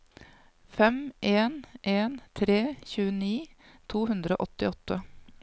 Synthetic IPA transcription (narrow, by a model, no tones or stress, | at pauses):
fɛmʔeːnʔeːnt̪ʰɾeːçʉːəniː | t̪ʰuːɦʉnd̪ɾəo̰ːʔɔt̪ɪɔt̪ʰːə